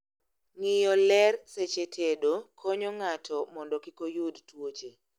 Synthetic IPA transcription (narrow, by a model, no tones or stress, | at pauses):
ŋɪjɔlɛrset͡ʃetʰedokʰoɲɔŋatʰɔmɔndɔkɪkojudtwot͡ʃe